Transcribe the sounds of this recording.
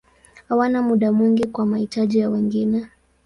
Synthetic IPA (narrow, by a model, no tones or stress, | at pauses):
hawanamuɗamwiŋɡikwamahitaʄijawɛŋɡinɛ